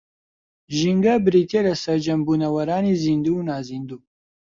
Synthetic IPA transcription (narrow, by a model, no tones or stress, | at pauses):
ʒiŋɡɐbɨɾiːt̪ʰelɐsɐɾd͡ʒɐmbuːnɐwɐɾaːniːziːnd̪unaːziːnd̪uː